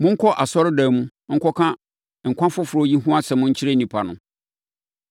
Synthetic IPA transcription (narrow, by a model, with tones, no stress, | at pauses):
mʊ̃˦ŋ̩˦kʰɔ˦ʔa˨sɔ˦ɾɪ˦da˨mũ˦ŋ̩˦kʰɔ˦kʰã˦ | ŋ̩˨kʷã˦fʊ˦fʊ˨ɾɔ˦ji˦ɦũ˦a˦sɛ˨mʊ̃˦ɲ̩˦t͡ɕʰi˦ɾa˦nĩ˨pʰa˨nʊ̰̃˨